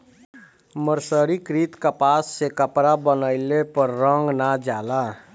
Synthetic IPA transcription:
məɾsəɾikɾit̪kəpasːekəpɾabənəɪlepəɾːəŋɡnad͡ʒala

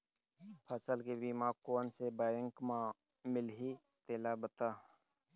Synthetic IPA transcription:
pʰəsəlkebimãːkoːnsebaːjə̃ŋkmã | mɪlɦi | t̪eːlabət̪aː

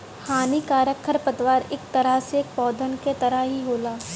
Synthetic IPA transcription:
haːnikaːɾjəkʰəɾpət̪ʋaːɾeːk̚t̪ɐɾasek̚pɔːd̪ʱənket̪ɐɾəɦiɦoːlaː

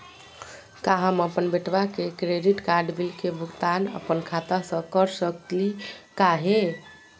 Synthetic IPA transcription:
kaɦəməpənbeʈbakekɾeɖiʈkaɾɖbilkebʱukt̪anə̰pənkʰat̪asə̃kəɾsək̪likaɦe

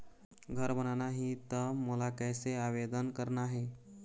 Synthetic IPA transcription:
ɡʱəɾbənanaɦiːt̪əmolakəjseaʋed̪ənkəɾɳaɦe

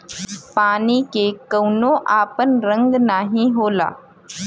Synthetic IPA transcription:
paːnikekɐwnõʔaːpənɾə̃ŋɡnaːɦĩɦoːla̰ː

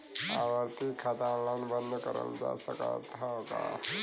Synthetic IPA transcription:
aʋəɾt̪ikʰːat̪allanbənd̪ʱkəɾə̰ld͡za̰səkat̪at̪a̰

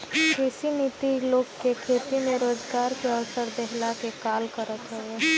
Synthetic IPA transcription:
kʰɪsinit̪iloːɡkekʰeːt̪imẽɾoːd͡ʒɡaːɾkeəʋsəɾd̪ɛɦlakekaːlkəɾət̪ɦɛeː

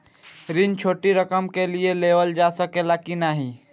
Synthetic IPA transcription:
ɾint͡ʃʰoːʈiɾəkəmkelieleʋəld͡ʒasəkelakinaɦi

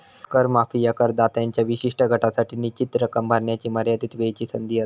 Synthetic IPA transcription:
kəɾmafiːjakəɾd̪at̪jaɲt͡ɕjaʋiɕiʂʈəɡʱəʈasaʈinit͡ɕit̪ɾəkəmbʱəɾɳjat͡ɕiːməɾjad̪iːt̪ʋejt͡ɕiːsənd̪ia

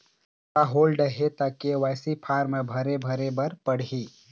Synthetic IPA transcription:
kaɦoːlɖəɦet̪akeʋaːsipʰaːɾmẽbʱɐɾebʱəɾebɐɾpəɽ̤iː

